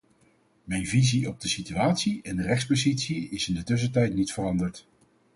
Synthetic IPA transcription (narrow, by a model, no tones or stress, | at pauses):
mɛjnviziɔb̚dəsityaːtsiɛndərɛχtspozitsiɪsɪndətɵs̬ətɛjtnitfərɑndəɹt